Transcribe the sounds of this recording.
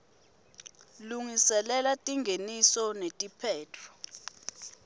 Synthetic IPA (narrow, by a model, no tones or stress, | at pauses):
luŋisɛlɛlatʼiŋʱenisɔnetʼipʰɛːtʰɔ̥